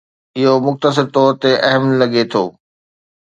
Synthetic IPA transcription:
ɪɦomʊxt̪əs̬ɪɾt̪ɔːɾt̪eʔɐɦəmlɐɡet̪ʰo̰ː

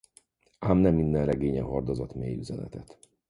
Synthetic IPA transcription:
aːmnɛmːind̪ɛnrɛɡeːɲɛ̰ɦord̪ozɒt̪meːjyzɛnɛ̰t̪ɛt̪

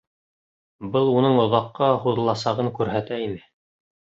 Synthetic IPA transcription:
bɤlˠunɤɴŏðɑqːɑhuðɤ̆lˠɑsɑʁɤŋkʉɾɦæt̪æimɘ

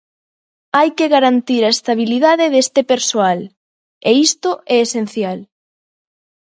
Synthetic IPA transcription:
ajkeɣaɾant̪iɾaest̪aβ̞iliðaðɪðest̪epeɾsoal | eist̪oɛesen̟θjal

